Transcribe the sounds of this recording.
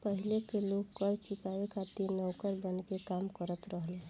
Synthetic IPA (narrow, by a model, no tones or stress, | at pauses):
pəɦilekeloɡkəɾt͡ʃikawekʰat̪inəwkəɾbənkekamkəɾət̪ɾəɦle